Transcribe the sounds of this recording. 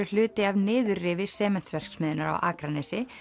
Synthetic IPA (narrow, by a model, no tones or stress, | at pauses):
ʏl̥ʏːt̪ɪavnɪːðʏɾrɪːvɪsɛːmɛn̥t̪svɛr̥ksmɪːðɪnaɾa̰wʔa̰ːkɾanɛsɪ